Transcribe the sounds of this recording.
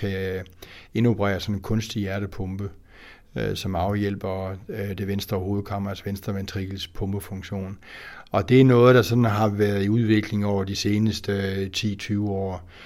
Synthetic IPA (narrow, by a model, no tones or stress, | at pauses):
kʰæ | e̝no̝pʰʁɛ̰ːɐsɒ̽nenkʰɔ̽nsd̥ijæɐɾ̥əpʰɔ̽mb̥ə | sɒ̽mɑ̈ʊjel̰b̥ɐd̥e̝ʋensd̥ʁɐɒho̝ːð̞̩ˠkʰɑ̈m̰ɐɐsʋensd̥ʁɐʋent͡sʰʁiɡ̥l̩spʰɔ̽mb̥əfɔ̽ŋɕo̝̰ːnɒ̽d̥e̝æɐnɔ̽ːð̞̩ˠd̥ɑ̈sɒ̽d̥n̩ɦɑ̈ʋæɐð̩ˠiuðˠʋe̝ɡ̥le̝ŋɒʊ̰ɐd̥ise̝ːnəsd̥ət͡sʰḭːt͡sʰyːʊɒ̰ː